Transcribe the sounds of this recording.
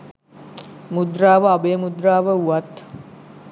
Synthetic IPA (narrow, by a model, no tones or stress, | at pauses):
mud̪ɾaːʋəabejːmud̪raːʋəuat̪